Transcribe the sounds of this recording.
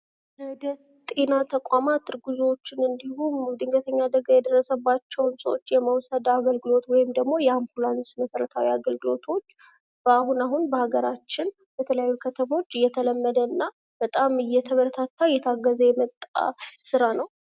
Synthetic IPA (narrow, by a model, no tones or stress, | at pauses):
d̪ə | t̪ʼe̞nat̪ʰəkʼamat̪ʰːɨɾɡuzwot͡ʃːɪnɨnd̪ihumd̪ɨŋɡət̪ʰəɲːad̪əɡajɛd̪ərːəsəbːat͡ʃːɛwnsəot͡ʃːjɛmawsəd̪aɡəlɡɨlo̞t̪wɔjɪmd̪əɡmo̞jɛampulansməsəɾət̪ʰawiaɡəlɡɨlo̞t̪ʰo̞t͡ʃː | b̥əaɦunaɦunbəhaɡəɾat͡ʃːɪn | b̥ɛt̪ʰələjajːukʰət̪ʰəmo̞t͡ʃːɨjːɛt̪ʰələmːəd̪əɨnːa | b̥ət̪ʼamɨjːɛt̪ʰəβəɾt̪ʰat̪ʰːajɛt̪ʰaɡːəzəjɛmət̪ʼːa̰sɨɾanəw